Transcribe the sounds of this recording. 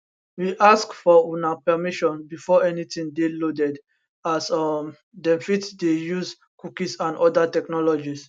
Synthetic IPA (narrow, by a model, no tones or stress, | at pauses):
wiʔaskfɔunapɛmiʃɔ̃nbifɔɛnitĩŋdelodɛd | asɔm | dɛ̃mfitdejuz | kukisãndɔdatɛknɔlɔd͡ʒis